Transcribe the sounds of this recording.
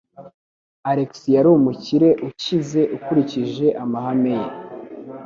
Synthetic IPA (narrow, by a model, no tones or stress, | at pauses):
aɾeksijaɾumuciɾe̞ʔucize̞ʔukuɾiciʒe̞ʔamaɦame̞je